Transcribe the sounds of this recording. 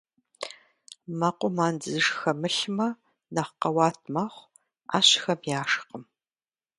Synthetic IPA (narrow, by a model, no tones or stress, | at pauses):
mɐqʷʊmaːnd͡zɨzɨʂxɐmɨɬmɐ | nɐχqɐwɑːtʰmɐχʷ | a̰ːɕxɐmjaːʂqəm